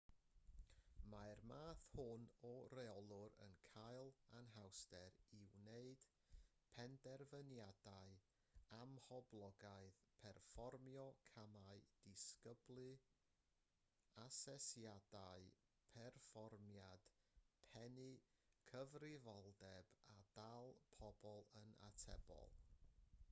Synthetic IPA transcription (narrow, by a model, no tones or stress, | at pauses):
majrmaːθhʊnɔrɛɔlˠʊɾə̰nkʰajlˠanɦawstɛɾɪwneɨd̥ | pʰɛndɛrvənjadaɨ | amhɔblˠɔɡaɨðpʰɛrfɔrmjɔkʰamaɨd̥ɪskəblˠɨ | asɛsjadaɨ | pʰɛrfɔrmjad̥pʰɛnɨkʰəvrɪvɔlˠdɛbadalˠpʰɔbɔlˠəna̰tʰɛ̰bɔ̰lˠ